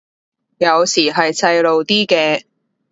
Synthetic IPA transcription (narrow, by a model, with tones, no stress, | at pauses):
jɐ˨˧wsiː˨˩ɦɐ˨jt͡sɐ˧jlo˨wt̪iː˥kɛː˧